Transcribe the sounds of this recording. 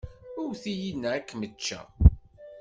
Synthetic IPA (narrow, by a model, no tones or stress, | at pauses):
ʊɾθijinːæækːmət͡ʃːæ̰